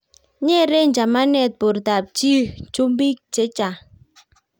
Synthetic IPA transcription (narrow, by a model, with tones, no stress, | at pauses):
ɲɛ˦˨ɾe˦n˨d͡ʒa˨ma˦nɛ˦˨t̚bu˨ɾta˨p̚t͡ʃi˦t͡ʃu˦mbi˦k̚t͡ʃe˨˦t͡ʃa˨